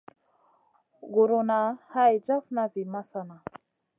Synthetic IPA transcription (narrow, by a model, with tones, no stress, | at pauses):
ɡu˨ɾunaha˦jd͡ʒa˦fnavi˨ma˦sana˨